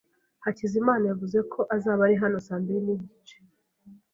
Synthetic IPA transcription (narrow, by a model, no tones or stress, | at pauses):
hacizimaːnajavuze̞kʰo̞ʔazaːβaɾiɦano̞saːmbiɾiniɟɟit͡ʃe̥